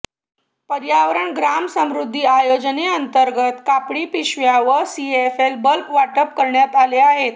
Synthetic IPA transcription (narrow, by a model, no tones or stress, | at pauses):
pəɾjaʋɾəɳɡɾamsəmɾud̪ʱːiːajod͡ʑneənt̪əɾɡət̪kapɽiːpiɕʋjaʋəsiefelbəlpʋaʈəp̚kəɾɳjat̪aleaɦet̪